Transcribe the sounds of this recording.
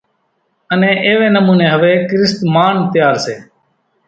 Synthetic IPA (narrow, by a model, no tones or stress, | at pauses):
ənẽːʔeːʋeːnəmuːneːɦəʋeːkɾɪst̪maːɳt̪ɪjaːɾseː